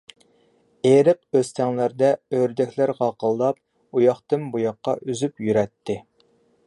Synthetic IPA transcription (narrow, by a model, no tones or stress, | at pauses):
eɾɨqøst̪ʰɛŋlæɾd̪ɛøɾd̪ɛkʲlæɾʁɑqʰəlˠːɑp̚ | ujɑχt̪ɨmbujɑqːɑ̰ʔyzypjyɾɛt̪ʰːɪ